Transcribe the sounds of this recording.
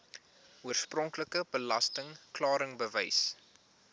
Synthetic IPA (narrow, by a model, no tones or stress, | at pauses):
uərsprɔŋkləkəbəlɐ̰stəŋklɑːɾəŋbəvəjs